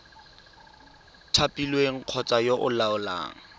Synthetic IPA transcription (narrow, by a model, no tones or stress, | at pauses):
tʰapʼilweŋ̩q͡χʰɔt͡sajoʔʊlaʊla̰ːŋ̩